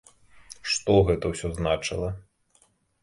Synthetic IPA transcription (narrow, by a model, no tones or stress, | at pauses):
ʂt̪ɔɣɛt̪ɐwsʲɔznat͡ʂɨ̰lˠɐ